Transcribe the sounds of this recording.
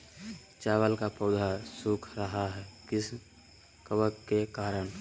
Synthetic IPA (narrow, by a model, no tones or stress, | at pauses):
t͡ʃaːwəlkapoːd̪ʱasukʰɾəɦaɦɛːkɪs | kəʋəkkekaːɾəɳ̃